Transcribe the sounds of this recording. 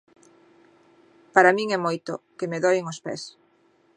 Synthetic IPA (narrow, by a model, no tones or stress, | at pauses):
paɾamiŋɛmojt̪ʊ̰kɪmeðɔjɪŋospɛ̰s